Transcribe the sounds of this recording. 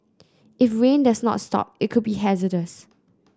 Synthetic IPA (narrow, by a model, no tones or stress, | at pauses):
ɪfɹẽndasnɔ̰tstɔ̰p̚ɪt̚kʰʊd̚biɦɛzədəs